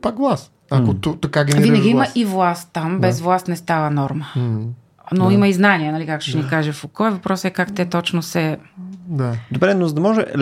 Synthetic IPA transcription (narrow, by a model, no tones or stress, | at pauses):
pakɡlˠas | ɐkot̪ot̪ɐkaɡʲɛnvviɾnəɡʲiiməʔivlˠast̪ːambɛzvlˠast̪nɛst̪avənɔɾmə | noimɐiznaniɛnɐlikak̪̚ʊ̥ʃɛnikaʒɛfokɔɛvɐpɾɔsɛkakt̪ɛt̪ɔt͡ʃnosɛd̪ad̪obɾɛnozəd̪ɐmɔʒɛ̰l